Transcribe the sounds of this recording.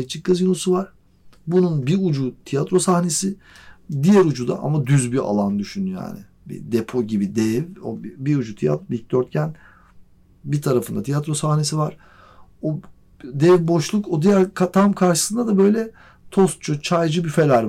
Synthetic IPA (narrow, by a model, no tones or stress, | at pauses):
et͡ʃʰːik̚ɡazɯjonˠusuvaɾ̥ | bununbiud͡ʒut̪ʰijat̪ɾo̞saxne̞si | d̪ijæɾud͡ʒud̪a̰ʔa̰mad̪yzbia̰lˠand̪yʃynyja̰ːnɪ | bḭd̪epʰo̞ɟibid̪ɛvo̰biud͡ʒut̪ʰija̰t̪bilc̚d̪øɾt̪̚cʰæn | bit̪ʰaɾafɯnd̪a̰t̪ʰijat̪ɾo̞sahne̞sivaɾ̥ | o | d̪ɛvbo̞ʃlˠukod̪ijæɾkʰat̪ʰamkʰaɾʃɯ̥sɯnd̪ad̪abø̞jlʲɛ | t̪ʰo̞st̪t͡ʃʰut͡ʃʰajd͡ʒɯbyfe̞lʲæɾ